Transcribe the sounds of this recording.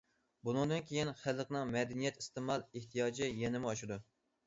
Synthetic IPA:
bunɨŋd̪ɨnkʲʰejinχællːəqnɨŋmɛd̪ɛnijɛt̪ist̪ɨmɑlˠeht̪ʰijɑːd͡ʒɪjɛnɪmɪɑʃɪd̪u

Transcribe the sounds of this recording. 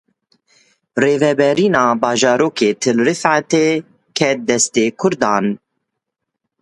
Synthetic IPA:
reːvɛbɛɾiːnɑːbɑːʒɑːɾoːkʰeːt̪ʰɨlɾɨfʕat̪eː | kʰɛt̪̚d̪ɛst̪eːkʰʊɾd̪ɑːn

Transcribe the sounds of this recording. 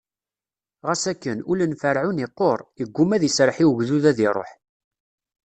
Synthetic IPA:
ʁæsækːənulənfəɾʕuniqːoɾˤəɡʷːumæðiəsɾˤəħiwʝðuðæðiɾˤo̰ħ

